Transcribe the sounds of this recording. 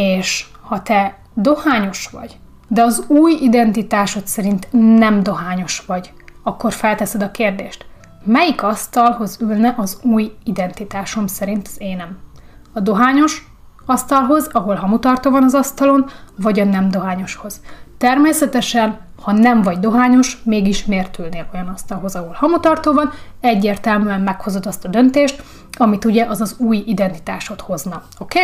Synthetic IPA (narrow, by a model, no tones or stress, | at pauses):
eːʃ | hɒt̪ɛ | d̪o̞haːɲo̞ʃʋɒ̰ɟ | d̪ɛɒzuːjid̪ɛnt̪it̪aːʃot̪sɛɾint̪nɛmd̪o̞ɦaːɲo̞ʃʋɒɟ | ɒkːo̞rfɛlt̪ɛsɛd̪ɒkeːrd̪eːʃt̪ | mɛjikɒst̪ɒlho̞zylnɛʔɒzuːjid̪ɛnt̪it̪aːʃo̞msɛɾint̪zeːnɛm | ɒd̪o̞ɦaːɲo̞ʃ | ɒst̪ɒlɦo̞zɒɦo̞lɦɒmut̪ɒrt̪oːvɒnɒzɒst̪ɒlo̞nvɒɟɒnɛmd̪o̞ɦaːɲo̞ʃho̞z̥t̪ɛrmeːsɛt̪ɛʃɛn | hɒnɛɱvɒɟd̪o̞ɦaːɲo̞ʃmeːɡiʃmeːrt̪ylneːlʔo̞jɒnɒst̪ɒlɦo̞zɒɦo̞lhɒmut̪ɒrt̪oːvɒnɛɟːeːrt̪ɛlmyɛmːɛkho̞zo̞d̪ɒst̪ɒd̪ø̞nt̪eːʃt̪ | ɒmit̪uɟɛʔɒzɒzuːjid̪ɛnt̪i̥t̪aːʃo̞t̪ho̞znɒ | o̞keː